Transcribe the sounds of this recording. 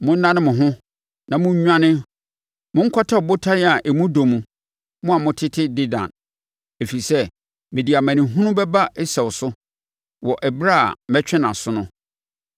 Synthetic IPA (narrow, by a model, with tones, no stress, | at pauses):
mʊ̃˦n̩˦nã˦nɪ̃˦mʊ̃˨ɦʊ̃˦ | nã˨mʊ̃˦ɲᶣ˦ã˦nɪ̃˦ | mʊ̃˦ŋ̩˦kʰɔ˦tʰa˦˨bʊ˦tʰa˦nɪ˦a˨ʔɛ˨mũ˦do˨mũ˨ | mʊ̃˦a˨mʊ̃˦tʰɪ˦tʰɪ˦dɪ˦dã̰˨n | e˨fi˨i˨sɛ˦ | mɪ̃˨di˨a˨mæ̃˨nĩ˨ɦũ˦nũ˦bɛ˦ba˦ɛ˦sɛ˨wʊ˨sʊ˦ | wɔ˨ʔɛ˨bɾa˦a̰˨mɛ˦t͡ɕᶣɛ̃˦nã˨sʊ˦nʊ̃˦